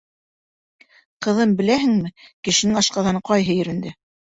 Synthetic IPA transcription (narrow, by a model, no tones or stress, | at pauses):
qɤ̆ðɤmbɘ̆læɦɘŋmɘkɘ̆ʃɘ̆nɘŋɑʃqɑðɑnɤqɑjɦɤjɵ̆ɾɘ̆nd̪ɘ